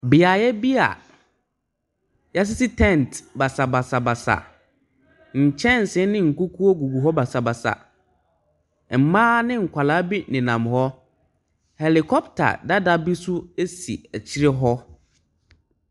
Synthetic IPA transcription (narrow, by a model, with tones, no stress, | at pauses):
bɪ˨a˨jɛ˦bi˦a̰˨ | ja˦s̬ɪ˦sɪ˦tʰɛ̃˦˨ntba˨sa˨ba˨sa˨ba˨sa̰˨ | ɲ̩˨t͡ɕʰɛ̃˦n̩˨sɪ̃˨˦nɪ̃˦ŋ̩˨ku˦kʰu˦o˦ɡu˨bu˨ɦɔ˦ba˨sa˨ba˨sa̰˨ | m̩˨mãː˦nɪ̃˦ŋ̩˨kʷʰa˨la˦bi˦nɪ̃˨nã̰˨mhɔ˦ | hɛ˨li˨kʰɔ˦ptʰa̰˨da˦da˦bi˦su˦e˦sḭ˨æ˨t͡ɕʰi˦ɾɪ˦ɦɔ˦